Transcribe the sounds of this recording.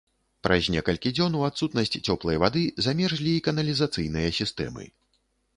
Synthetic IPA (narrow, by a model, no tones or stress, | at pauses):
pɾɐzʲnʲɛkɐlʲkʲid͡zʲɔnuat̪sut̪nɐsʲt͡sʲt͡sʲɔplˠɐjɐvad̪ɨzamʲɛʐlʲiːkɐnɐlʲizat̪sɨjn̪ɨjɐsʲist̪ɛ̰mɨ̰